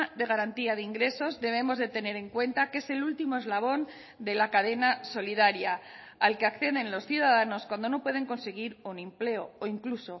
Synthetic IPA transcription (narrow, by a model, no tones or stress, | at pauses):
ðe̞ɣ̞aɾant̪iaðeiŋɡɾe̞so̞zðe̞β̞e̞mo̞zðe̞t̪e̞ne̞ɾe̞ŋkwe̞nt̪akee̞se̞lult̪imo̞ezlaβ̞o̞n | d̪e̞lakaðe̞naso̞liðaɾjaː | lke̞akθje̞ðe̞nlo̞sθjuðaðano̞skwand̪o̞no̞pwe̞ð̞e̞ŋko̞nse̞ɣ̞iɾunemple̞o̞oiŋkluso̞